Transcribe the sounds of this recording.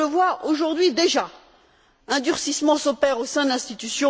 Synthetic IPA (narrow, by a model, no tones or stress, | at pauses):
əvwaoʒuʁd̪ɥid̪eʒa | ɛ̃d̪yʁsismɑ̃sopɛʁosɛ̃d̪lɛ̃st̪it̪ysjɔ̃